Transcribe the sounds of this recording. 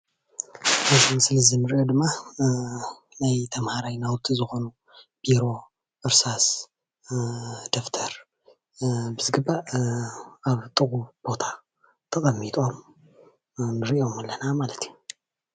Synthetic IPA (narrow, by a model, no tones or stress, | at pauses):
nɐzimɨslɐzinɨɾiʔod̪ɨmːa | najt̪ʰɐmhaɾajnawt̪ʰizɨxo̞nu | b̥iɾo̞ | ʔɨɾsas | d̪o̞ft̪ʰɐɾ | bɨzɨɡɨbːa | aβt̪ʼɨɣʼub̥o̞t̪ʰḁ | t̪ʰɐkʼɐmːit̪ʼo̞m | nɨɾiʔomɨlːɐnamalɐt̪ʰiju